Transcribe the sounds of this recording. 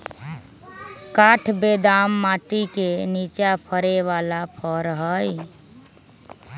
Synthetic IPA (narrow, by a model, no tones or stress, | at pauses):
kaʈʰbed̪amːaʈɾikenit͡ʃapʰəɾeʋalapʰəɾɦəj